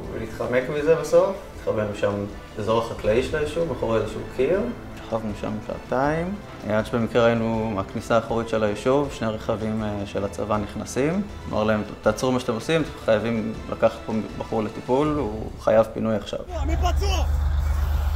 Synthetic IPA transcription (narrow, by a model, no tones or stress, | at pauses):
vlit̪χamekmizebasofitχabemiʃam | ezoʁeχaklaiʃelajiʃuvmeχuʁaezeʃukʰiʁ | ʃḁχavnuʃa̰mʃa̰a̰taim | adʃebemikʁeajinuaknisaːχoʁitʃe̞lajiʃuvʃneʁeχavimʃelat͡sa̰vaniχnasim | mʔa̰ʁlaemt̪at͡sʁumaʃat̪emosimtχajavimlʔa̰kaχtpombaχuʁlet̪ipuluχa̰javpinujaχʃa̰v